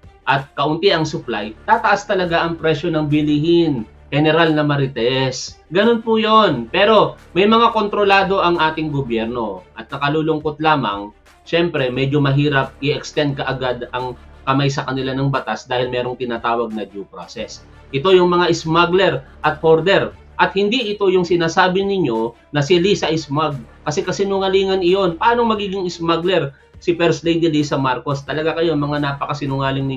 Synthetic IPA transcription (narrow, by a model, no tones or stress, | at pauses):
ʔɐt̪̚kɐʔʊnt̪ɪɐŋsʊplajt̪aːt̪ɐʔast̪ɐlɐɡaʔɐŋpɾɛʃjo̞nɐŋbɪlɪhɪn | hɛnɛɾalnɐmɐɾɪt̪ɛs | ɡɐno̞npujonpɛːɾo̞mɐjmɐŋako̞nt̪ɾo̞laːd̪o̞ʔɐŋʔaːt̪ɪŋɡobjɛɾno̞ʔɐt̪̚nɐkɐluːlʊŋkot̪̚laːmɐ̰ŋ | ʃɛmpɾɛmɛd͡ʒomɐɦiːɾɐp̚ʔɪɛkst̪ɛnd̪̚kɐʔɐɡad̪ɐŋkɐmajsɐkɐnɪlanɐŋbɐt̪asd̪aːhɪlmɛːɾoŋt̪ɪnaːt̪aːwɐɡ̚nɐd͡ʒupɾa̰sɛs | ʔɪt̪o̞jʊŋmɐŋaʔɪsmaɡlɛɾʔɐt̪̚hoɾd̪ɛɾ | ʔɐt̪̚hɪnd̪iʔɪt̪o̞jʊŋsɪnaːsaːbɪnɪɲːo̞ | nɐsɪlisɐʔɪsmaɡ̚kɐsɛkɐsɪnʊŋɐliːŋɐnɪjo̞npɐʔaːno̞ŋmɐɡiːɡɪŋɪsmaɡlɛɾ | sɪpɛɾslejd̪iliːsɐmaɾko̞st̪ɐlɐɡakɐjoŋmɐŋanaːpɐkɐsɪnʊŋaːlɪŋnɪ